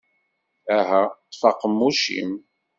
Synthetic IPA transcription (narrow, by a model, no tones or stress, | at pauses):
æɦæfɑqəmːuʃḭm